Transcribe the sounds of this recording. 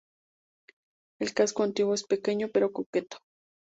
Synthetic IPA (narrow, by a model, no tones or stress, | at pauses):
elkaskoant̪iwoespekeɲopeɾokoket̪o̥